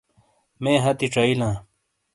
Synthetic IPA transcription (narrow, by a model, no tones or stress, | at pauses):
mẽːɦɐt̪iʈ͡ʂɐilãː